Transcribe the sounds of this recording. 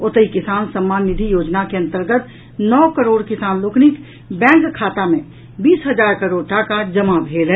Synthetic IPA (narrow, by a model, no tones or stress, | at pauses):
ot̪əikɪsaːnsəmːaːnːɪd̪ʱijoːd͡ʒnakeɐ̃nt̪əɾɡət̪ | nɔːkəɾoːɽkɪsaːnloːknɪk | bɛ̃ːkkʰːaːt̪amẽ | biːsɦəd͡ʒaːɾkəɾoːɖʈakad͡ʒəmabʱeːlɦɛ